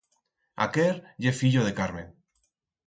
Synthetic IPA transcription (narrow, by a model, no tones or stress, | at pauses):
a̰keɾʎefiʎoðekaɾmẽn